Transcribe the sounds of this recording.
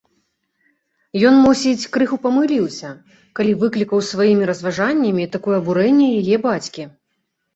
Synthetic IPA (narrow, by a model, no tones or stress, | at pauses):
jɔnmusʲit͡sʲkɾɨxupɐmɨlʲiwsʲɐ | kalʲivɨklʲikɐwsvajimʲiɾɐzvaʐanʲːɐmʲit̪akɔjɛɐbuɾɛnʲːɛjajɛbat͡sʲkʲi